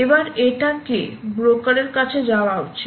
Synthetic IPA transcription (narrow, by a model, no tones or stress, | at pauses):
ebaɾeʈakebɾokaɾeɾkat͡ɕʰed͡ʑawaot͡ɕʰ